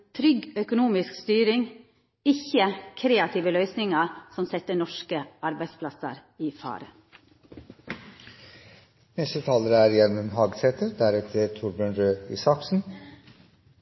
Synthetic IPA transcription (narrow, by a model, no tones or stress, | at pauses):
t̪ʰɾʏɡœkʊnuːmɪskst̪yːɾɪŋ | ɪçəkʰɾeːɑt̪ʰiːʋəlœʏsnɪŋɑɾsɔmsɛt̪ənɔʃkəʔɑɾbæɪspʰlɑsə̰ɾiːfɑ̰ːɾə̰ | nɛst̪ət̪ʰɑːləɾəæɾjælmənɦɑːɡsʰɛt̪ʰəɾd̪æɾɛt̪ʰəɾt̪ʰʊɾbøɳɾøːḭːsɑksn̩